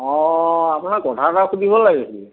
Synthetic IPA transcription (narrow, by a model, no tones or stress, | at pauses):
ɔ̃apunaɹkɔtʰataxudʱibɔlaɡɛsilɛ